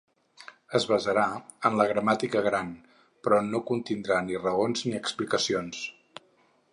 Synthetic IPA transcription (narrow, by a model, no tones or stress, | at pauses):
əzβəzəɾa | ənləɣɾəmat̪ikəɣɾan | pɾɔnokunt̪ind̪ɾanirəonzniəksplikəsions